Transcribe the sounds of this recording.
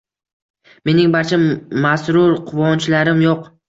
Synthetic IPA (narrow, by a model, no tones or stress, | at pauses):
me̞nɪŋbaɾt͡ʃʰamasɾʊɾqʰʊvɒnt͡ʃʰlaɾɪmjoq